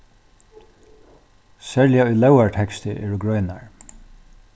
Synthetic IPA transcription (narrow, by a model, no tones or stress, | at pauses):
sɛːɹlɪjaʊjlɛwaɹt̪ʰɛkst̪ɪʔɛ̰ːɹʊɡɹœːjnaɹ